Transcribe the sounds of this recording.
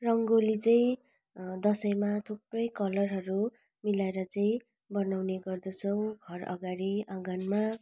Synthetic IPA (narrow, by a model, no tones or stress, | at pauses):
rʌŋɡolit͡sʌĩ | d̪ʌsʌjmat̪ʰuprʌjkʌlʌrɦʌɾu | milaeɾʌt͡sʌĩ | bʌnawneɡʌrd̪ʌt͡sʰʌw̃ɡʱʌrʌ̰ɡaɾiaɡanma